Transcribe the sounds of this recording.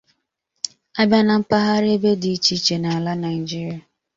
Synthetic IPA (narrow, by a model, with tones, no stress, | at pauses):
a˦ba˦na˨m̩˦pa˦ɦa˦ɾe˦be˦di˨i˦t͡ʃi˦t͡ʃe˨na˨la˦na˨i˨d͡ʒi˦ɾi˨a˨